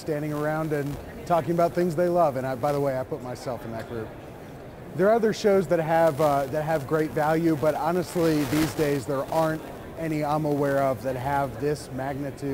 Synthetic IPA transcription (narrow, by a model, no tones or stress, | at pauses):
stæ̃ndɪ̃ŋə˞ãʊ̃ndɨ̃n | tʰɔkɪ̃ŋəbaʊt̪̚θɪ̃ŋzðeɪlʌvɨ̃ñaɪbaɪðəweɪaɪpʊt̚maɪsɛlˠfn̩ðɨt̚ɡ̥ɹʉp̚ | ðə˞ʌðə˞ʃoʊzðɨt̚ɦɨvðɨt̚ɦɨvɡɹeɪtvælˠjʉbʌɾɑnɨstˡliðizdeɪzðə˞ʔɑɹnt | ɛñiãɪ̃məwɛɹʌvðɨt̚ɦɨvðɪsmæɡ̚nɨtʰʉ